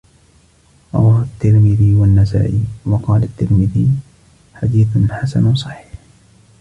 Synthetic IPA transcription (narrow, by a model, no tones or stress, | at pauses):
ɾˤɑ̰wɑːhat̪ːɪɾmɪðiwanːasa̰ːʔiːwɑqɑːlat̪ːɪɾmɪði | ħad̪iːθħasa̰nwsˤɑħi̥ːħ